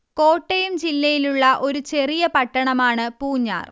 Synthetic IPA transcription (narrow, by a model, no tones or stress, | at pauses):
ko̞ːʈːɐjumt͡ɕilːɐjiluɭːɐʔo̞ɾut͡ɕe̞rijɐpɐʈːɐɳɐmaːɳɨpuːɲːa̰ːr